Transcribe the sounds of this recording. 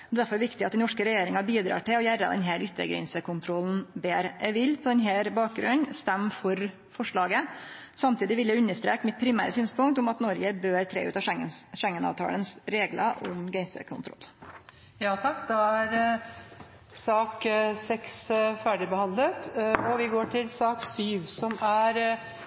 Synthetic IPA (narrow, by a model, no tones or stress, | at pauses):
ɔd̪ɛd̪æɾfɔɾʋɪkt̪ɪɑt̪̚d̪ɛnɔʂkəɾɛjeːɾɪŋɑbiːd̪ɾɑ̰ːʈɪlɔjæɾːɑ̰d̪ɛ̰nɦæːɾʏt̪ːə̰ɡɾɛ̰nsəkʊnt̪ʰɾɔln̩beːɾʔæʋɪlpʰɔd̪ɛnɦæːɾbɑːk̚ɡɾʉ̰nnst̪ɛmːfɔɾ | fɔʂɭɑːɡə | sɑmt̪ʰiːd̪ɪʋɪljæʉnːəʂt̪ɾḛːkmɪt̪̚pʰɾɪmæ̰ːɾəsyːnspʊŋk̚t̪ʊmɑt̪nɔɾɡəbøːɾt̪ʰɾḛːʉ̰ːt̪ɑɛŋəʂɛŋːənɑ̰ːʋt̪ʰɑ̰ːlənsɾeːɡlə̰ʔʊ̰mɡɛɪnsə̰kʰʊ̰nt̪ɾɔ̰lː | jɑːt̪ʰɑkːd̪ɑæɾ | sɑːksɛksfæːɖɪbəhɑnd̪lət̪ɔʋɪɡoːʈʰɪlsɑːksyːʋsɔmæɾ